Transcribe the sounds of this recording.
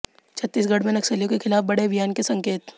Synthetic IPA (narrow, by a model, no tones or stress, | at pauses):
t͡ʃʰɐt̪ːiːs̬ɡɐɽ̤mẽnɐksəlijõkexʰɪlaːfbɐɽebʱijaːnkesɐ̃ŋkeːt̪